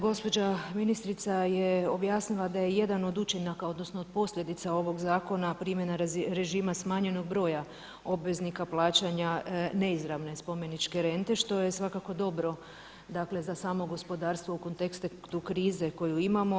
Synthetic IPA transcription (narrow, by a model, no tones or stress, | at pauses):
ɡo̞spo̞d͡ʑaminist̪ɾit̪sajeo̞bjaːsnilˠad̪aje̞je̞d̪ano̞d̪ut͡ʃenakao̞d̪no̞snood̪̥̚po̞sʎʲje̞d̪it̪sao̞ʋo̞ɡzaːko̞napɾiːmjenaɾɾe̞ʒiːmasmaːɲe̞no̞ɡ̚bɾo̞ːja | o̞bʋe̞znikaplˠaːt͡ɕaɲane̞izɾaʋne̞spo̞me̞nit͡ʃke̞ɾe̞nt̪e̞ʃt̪o̞je̞sʋakako̞d̪o̞bɾo̞ | d̪akle̞zasaːmo̞ɡo̞spo̞d̪aːɾst̪ʋo̞uko̞nt̪ekst̪et̪ukɾiːze̞ko̞juimamo̞